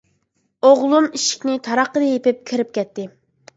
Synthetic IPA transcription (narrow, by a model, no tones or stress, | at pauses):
oʁlˠumiʃi̥kʲnɪt̪ʰɑɾɑqːəd̪ɨjepɪp̚kʲʰiɾɪp̚kʲʰɛt̪ːɪ